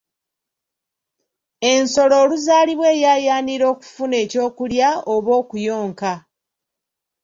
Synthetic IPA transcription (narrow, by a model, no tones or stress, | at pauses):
e̞nso̞lo̞ːluzaːliβwe̞ːjaːjaːniɾo̞ːku̥fune̞ːco̞ːkuljaoβo̞ːkujo̞ːŋka